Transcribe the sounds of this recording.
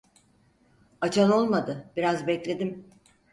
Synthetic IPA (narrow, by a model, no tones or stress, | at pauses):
at͡ʃʰano̞lˠmad̪ɯb̥iɾazbɛclʲe̞d̪im